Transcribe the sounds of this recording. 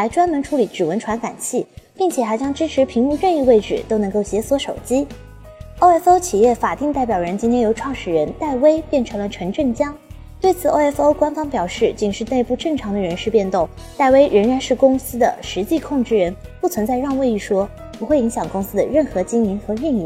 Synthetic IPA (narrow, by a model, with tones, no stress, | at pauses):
xa˧˥ɪʈ͡ʂwa˥nmə˧˥nʈ͡ʂʰu˧˥li˧˩˥ʈ͡ʂɻ̩˨˩wə˧˥nʈ͡ʂʰwa˧˥nka˨˩nt͡ɕʰi˥˩pi˥˩ŋt͡ɕʰjɛ˨˩xa˧˥ɪt͡ɕjɑ˥ŋʈ͡ʂɻ̩˥ʈ͡ʂʰɻ̩˧˥pʰi˧˥ŋu˥˧ɻə˥˧i˥˧we˥˧ɪʈ͡ʂɻ̩˥˩t̪o˥nɤ˧˥ŋko˥˩ʊɕjɛ˧˥swɔ˧˥ʂo˨˩ʊt͡ɕi˥ | o˥˧ɛ˥fo˥ʊt͡ɕʰi˨˩jɛ˥˩fa˨˩t̪i˥˧ŋt̪a˥˩ɪp̬jɑ˨˩ɻə˧˥nt͡ɕi˥t̪ʰjɛ˥jo˧˥ʊʈ͡ʂʰwɑ˥˩ŋʂɻ̩˨˩ɻə˧˥nt̪a˥˩ɪwe˥ɪpjɛ˥˩nʈ͡ʂʰɤ˧˥ŋlə˨˧ʈ͡ʂʰɤ˧˥ŋʈ͡ʂə˥˩nt͡ɕjɑ˥ŋ | t̪we˥˩ɪt͡sʰɹ̩˨˩o˥˧ɛ˥fo˥ʊkwa˥nfɑ˥ŋpjɑ˨˩ʊʂɻ̩˥˩t͡ɕi˨˩ŋʂɻ̩˥˧ne˥˧ɪpu˥˧ʈ͡ʂɤ˥˩ŋʈ͡ʂʰɑ˧˥ŋd̪ə˨˧ɻə˧˥nʂɻ̩˥˧pjɛ˥˧nt̪ʊ˥˩ŋ | t̪a˥˩ɪwe˥ɪɻə˧˥nɻa˧˥nʂɻ̩˥˩kʊ˥ŋsɹ̩˥d̪ə̰˨ʂɻ̩˧˥t͡ɕi˥˧kʰʊ˥˧ŋʈ͡ʂɻ̩˥˩ɻə˧˥npu˥˩t͡sʰwə˧˥nt͡sa˥˧ɪɻɑ˥˧ŋwe˥˧ɪi˥˩ʂwɔ˥ | pu˧˥xwe˥˩i˧˥ŋɕjɑ˨˩ŋkʊ˥ŋsɹ̩˥d̪ə̰˨ɻə˥˩nxɤ˧˥t͡ɕi˥ŋi˧˥nxɤ˧˥ɻi˥˧ŋi˥˩